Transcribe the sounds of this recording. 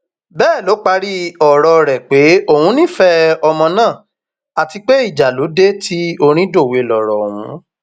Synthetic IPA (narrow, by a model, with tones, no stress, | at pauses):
bɛː˦˨lo˨˦k͡pa˧ɾi˦ɔ˨ɾɔ˧ɾɛ˨k͡pe˨˦o˦˨hũ˨˦nĩ˦˨fɛ˦ɔ˧mɔ̃˧nãː˦˨ | a˨ti˧k͡pe˦i˦˨d͡ʒa˨lo˨˦de˦ti˦o˧ɾ̃ĩ˦do˦˨we˨lɔ˨ɾɔ˨wũ˨˦